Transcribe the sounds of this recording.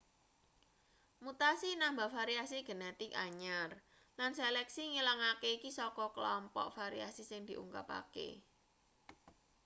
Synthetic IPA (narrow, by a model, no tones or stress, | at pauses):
mut̪asinambafaɾiasiɡ̥ə̤nɛt̪ɪkaɲar | lanselɛksiŋilaŋakeikisɔkɔkəlɔmpɔ̰ʔfaɾiasisɪŋd̪̥i̤ʔṵŋka̰pa̰kḛ